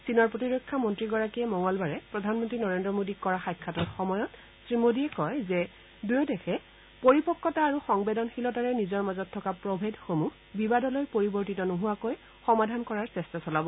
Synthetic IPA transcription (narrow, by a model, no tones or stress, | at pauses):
sinɔɹpɹotiɹokʰːamɔntɹiɡɔɹakijɛmɔŋɔlbaɹɛpɹɔdʱanmɔntɹinɔɹendɹɔmodikkːɔɹaxajkʰːatɔɹxɔmɔjɔt | sɹimodiɛkɔjzɛ | dujɔdɛxʰɛ | poɹipɔkːɔtaːɹuxɔŋbedɔnxilɔtaɹɛnizɔɹmazɔtʰːɔkapɹɔbʱedxomu | bibadɔlojpoɹibɔɹtitɔnoɦuwakoj | xɔmadʱankɔɹaɹsɛstasɔlabɔ